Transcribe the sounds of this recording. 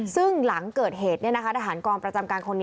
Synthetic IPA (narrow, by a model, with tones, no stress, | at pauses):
sɯ˥˩ŋla˩˦ŋkɤː˨˩t̪̚ɦeː˨˩t̪̚ni˥˩ɐna˦˥kʰa˦˥t̪a˧˩ɦaː˩˦nkɔː˧ŋpɾa˧t͡ɕa˧mkaː˧nkʰo˧nːi˦